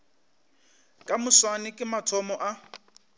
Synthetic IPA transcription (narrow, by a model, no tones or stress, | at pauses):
kʼamʊswanɪkʼɪmatʰɔmɔʔa